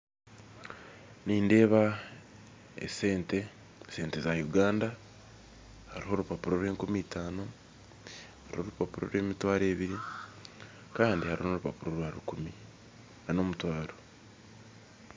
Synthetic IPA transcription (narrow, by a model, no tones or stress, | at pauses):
niːnde̞ːβa | ḛseːnte̞ | se̞ːnte̞zajuɡaːnda | haɾiɦo̞ɾupapuɾo̞ɾe̞ːŋkumiːtaːno̞ | haɾḭho̞ɾupapuɾo̞̰ɾe̞ːmitwaːɾe̞ːβiɾi | kaːndihaɾihooɾupapuɾo̞ɾaɾukumi | nano̞ːmutwaːɾo